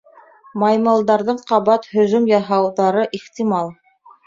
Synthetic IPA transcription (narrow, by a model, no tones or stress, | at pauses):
mɑjmɤ̆lˠd̪ɑɾðɤɴqɑβɑt̪hɵ̆ðɵmjɑɦɑwðɑɾɤʔiχt̪imɑlˠ